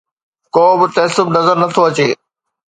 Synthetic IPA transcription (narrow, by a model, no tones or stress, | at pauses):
koːbɪt̪ɐɦsʊbnɐzəɾnɐt̪ʰoɐt͡ɕeː